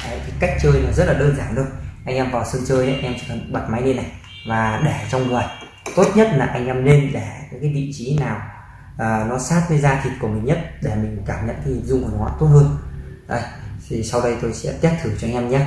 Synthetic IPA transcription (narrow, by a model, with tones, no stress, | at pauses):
ʔə˨˧˦jk̪ʰa˨˦ka˦˥jk̟̚t͡ɕəː˧jnɔː˨˩zə˦˥t̚laː˨˩ɗəː˧nzaː˧˩nɗɨ˧ənʔa˧jŋʔɛ˧mvaː˨˩wsɨ˧ŋt͡ɕəː˧jʔə˨˦ʔɛ˧mt͡ɕi˧˩˨ɓa˨˩t̚ma˨˦jne˧na˨˩j | vaː˨˩ɗɛ˧˩t͡ɕɔ˧wŋ͡mŋɨ˨˩əj | t̪o˦˥t̚ɲə˦˥t̚laː˨˩ʔa˧jŋ̟ʔɛ˧mne˧nɗɛ˧˩ka˨˦kaː˨˦jvḭ˧˨t͡ɕi˨˦naː˨˩w | ʔəː˨˩nɔ˨˦saː˦˥t̚kəː˨˦jzaː˧t̪ʰi˨˩t̚ku˧˩əmï˨˩ŋ̟ɲə˦˥t̚ɗe˧˩mï˨˩ŋ̟kaː˧˩mɲə̰˧˨nkaː˨˦ɲi˨˩nzʊ˧ŋ͡mku˨˧˩wa̰ː˧˨˦t̪o˦˥t̚hɦəː˧n | ʔə̰˧jt̪ʰi˨˩sa˧wɗə˧jt̪o˧jsɛ̰˧˥t̪i˦˥p̚t̪ʰɨ˧˩t͡ɕɔ˧ŋ̟ʔɛ˧mɲa˦˥